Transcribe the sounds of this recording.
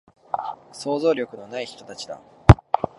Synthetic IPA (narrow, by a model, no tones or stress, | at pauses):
so̞ːzo̞ːɾʲo̞kɯ̟no̞naiçi̥t̪o̞t̪at͡ɕi̥d̪a̰